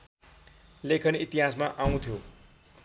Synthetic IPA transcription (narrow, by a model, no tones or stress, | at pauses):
lekʰʌnit̪iɦasmaʔaw̃t̪ʰjo